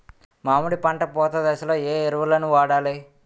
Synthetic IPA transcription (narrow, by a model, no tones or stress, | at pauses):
maːmuɽipɐɳʈɐpɔːt̪ɐd̪ɐsɐloːeːiɾʋɐlɐnuʋaːɽaːli